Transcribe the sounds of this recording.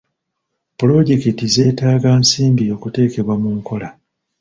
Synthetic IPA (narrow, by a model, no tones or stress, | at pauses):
pulo̞ɟe̞kitize̞ːtaːɡaːnsiːmbio̞ːkute̞ːke̞βwamuŋko̞la